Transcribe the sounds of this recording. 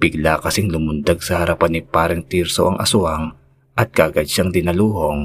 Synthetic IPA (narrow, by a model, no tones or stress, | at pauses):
b̥ɪɡ̚lakɐsiŋlʊmʊnd̪aɡ̚sɐhɐɾɐpanɪpaːɾɛŋt̪iɾsoʔɐŋʔɐ̰sʊʔaŋ | ʔɐt̪̚kɐʔɐɡad̪̚ʃaŋd̪ɪnɐluːho̞ŋ